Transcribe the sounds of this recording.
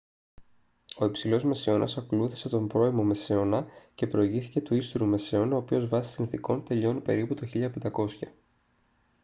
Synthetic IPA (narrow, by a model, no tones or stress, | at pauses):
o̞ipsilo̞zme̞seo̞nʔɐ̰sɐkluθi̥se̞t̪o̞mbɾo̞imo̞me̞seo̞nɐce̞pɾo̞iʝiθice̞t̪uist̪uɾume̞se̞o̞nɐo̞ːpio̞zvɐsi̥sinθiko̞nt̪e̞ʎo̞nipe̞ɾiput̪oçiʎɐpend̪ɐko̞sçɐ